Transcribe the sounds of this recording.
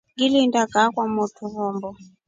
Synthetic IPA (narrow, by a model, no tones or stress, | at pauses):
ɡilindakakwamutʰuβɔːmbɔ